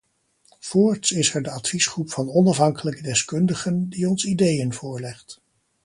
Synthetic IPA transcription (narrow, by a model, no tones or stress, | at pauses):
v̥ʊːɹtsɪsɛɹdəɑtfisχrupfɑnɔnɑfɦɑŋkələkədɛskɵndəχəndiɔnsidejənvʊːɹlɛχt